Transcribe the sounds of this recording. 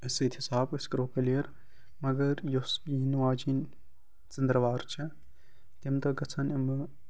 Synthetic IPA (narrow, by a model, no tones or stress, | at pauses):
ɐsit̪ʰisaːbɨskɾoːkɐlijɐɾ | mɐɡɐɾjosinʋaːd͡ʒin | t͡sɪnd̪ɾɐʋaːɾt͡ʃʰɐ | t̪imt̪ɐɡɐt͡sʰɐnimɨ